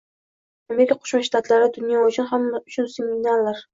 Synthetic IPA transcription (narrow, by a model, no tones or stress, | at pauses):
ame̞ɾɪkʰaqʰo̥ʃmaʃt̪at̪ʰlaɾɪd̪ʊnjɒʊt͡ʃʰʊnɦamːaʊt͡ʃʰʊnseminallaɾ